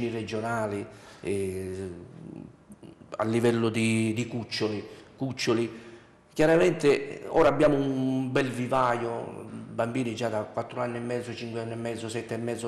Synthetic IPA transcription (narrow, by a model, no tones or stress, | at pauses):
nirɛd͡ʒʊnaːli | a̰lːivɛlːʊd̪id̪ikut͡ʃːʊlikut͡ʃːʊli | kjaɾamɛnt̪ɪɔ̰ːɾabːjaːmʊumbɛlvivaːjʊbambiːnid͡ʒad̪akwat̪ːɾʊanːɪɛmːɛd̪zːʊt͡ʃiŋkweanːɪɛmːɛd̪zːʊsɛt̪ːɛmːɛd̪zʊ